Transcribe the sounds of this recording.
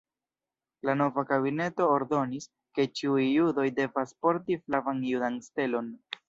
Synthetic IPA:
lano̞vakaβine̞to̞ːɾdo̞nis | ke̞t͡ʃiujːudo̞jde̞vaspo̞ɾtiflavanjudanste̞lo̞n

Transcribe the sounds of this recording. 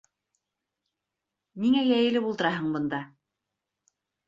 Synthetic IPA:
niŋæjæjɘ̆lɘbulˠt̪ɤ̆ɾɑɦɤɴbɤ̆nd̪ɑ

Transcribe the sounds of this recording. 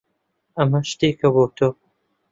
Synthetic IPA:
ɐmɐʃt̪eːkʰɐboːt̪ʰoː

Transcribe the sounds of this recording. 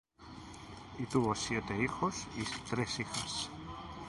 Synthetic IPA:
it̪uβo̞sjet̪eixosit̪ɾe̞sixas

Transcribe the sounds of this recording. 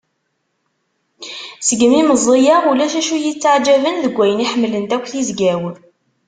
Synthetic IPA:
səɡəmiməzˤijæʁulæʃæʃujət͡sːaʕd͡ʒævənðəɡʷːæjəniħəmːlənt̪ækʷːθizɡæw

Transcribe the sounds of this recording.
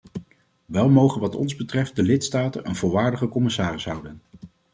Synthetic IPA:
ʋɛlˠmowχənʋɑtɔ̰nzbətrɛft̚dəlɪtstaːtə̰nʔənvʊlˠʋaːɹdəχəkɔmɪsaːrɪsɦʌwdən

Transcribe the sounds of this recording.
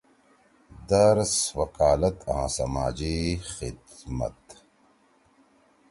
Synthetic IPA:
d̪ɐɾswɐkaːlɐt̪ãːsɐmaːd͡ʑixɪd̪mɐ̰t̪

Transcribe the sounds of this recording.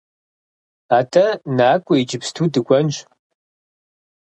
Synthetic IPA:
aːtʰʼɐnaːkʷʼɔid͡ʒɪpstʰuːdɨɡʷɔnɕ

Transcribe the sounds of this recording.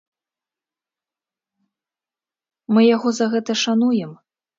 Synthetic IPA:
mɨjaɣɔzɐɣɛt̪ɐʂanujɛm

